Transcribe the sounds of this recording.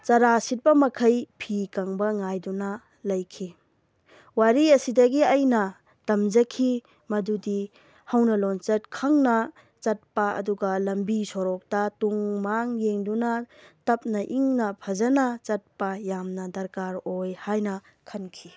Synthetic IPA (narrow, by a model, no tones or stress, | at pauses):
t͡ʃɐɾasit̚bɐmɐkʰɐjpʰikaŋbɐŋajdunɐ | lɐjkʰi | waɾiɐsidɐɡiɐjnɐ | tɐmd͡ʒɐkʰi | mɐdudi | hɐwnɐlont͡ʃɐt̚kʰɐŋnɐ | t͡ʃɐt̚pɐɐ̰duɡɐlɐmbisoɾɔk̚tɐtuŋmaŋjeŋdunɐtɐp̚nɐʔiŋnɐpʰɐzɐnɐt͡ʃɐt̚pɐjamnɐdɐɾkaɾojhajnɐ | kʰɐnkʰi